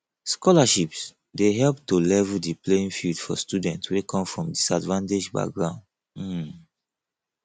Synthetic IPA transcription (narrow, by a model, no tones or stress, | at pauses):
skɔlaʃips | deɦɛlptolɛvldipleĩnfildfɔ̰studɛ̃ntʰwekʰɔ̃mfɹɔ̃mdisadvãnted͡ʒba̰k̚ɡɹãʊ̃nd̩